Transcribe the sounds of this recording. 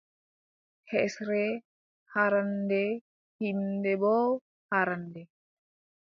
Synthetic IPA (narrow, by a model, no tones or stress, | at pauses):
hɛsɾɛ | haɾandɛ | hindɛbɔ | haɾandɛ